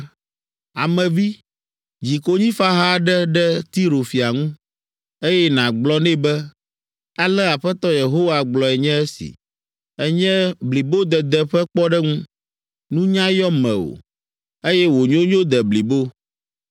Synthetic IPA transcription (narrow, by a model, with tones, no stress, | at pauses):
a̰˨mɛ̃˨vi˦ | d͡ʑi˨ko˦ɲĩ˦fa˦ɦa˦ɖɛ˦ɖɛ˦t̪i˦ɾo˨fi˨a˨ŋũ˦ | e˦jɛ˦nã˨ɡ͡blɔ˦nɛ̃˦bɛ˦ | a˦lɛ˦a˨ɸɛ˦t̪ɔ˦je˨ɦo˦wa˨ɡ͡blɔ˨ɛ˨ɲɛ̃˦ɛ˦sḭ˨ | ɛ˦ɲɛ̃˦bli˨bo˦d̪ɛ˨d̪ɛ˦ɸɛ˦k͡pɔ˦ɖɛ˦ŋũ˦ | nũ˦ɲã˦jɔ˦mɛ̰̃˨o̰˨ | e˦jɛ˦wo˨ɲõ˦ɲõ˦d̪ɛ˨bli˨bo˦